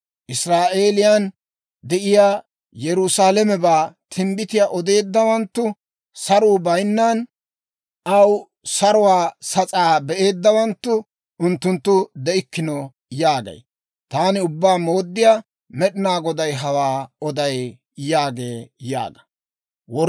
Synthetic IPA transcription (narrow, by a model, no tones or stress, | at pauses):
ʔɪsɾaːʔe̞ːlɪjan | d̪ɛʔɪjaː | jɛɾʊsaːlɛmɛbaːt̪ʰɪmbɪt̪ɪjaʔɔd̪e̞ːd̪ːɐwɐnt̪ːʊ | sɐɾuːbɐjnːɐn | ɐw | sɐɾʊwaːsɐt͡sʼaːbɛʔe̞ːd̪ːɐwɐnt̪ːʊ | ʊnt̪ːʊnt̪ːʊd̪ɛɪkːɪnɔ | jaːɡɐ̰j | t̪aːnɪʊbːaːmoːd̪ːɪja | mɛɗɪnaːɡɔd̪ɐjɦɐwaːɔd̪ɐj | jaːɡe̞ːja̰ːɡɐ̥ | wɔ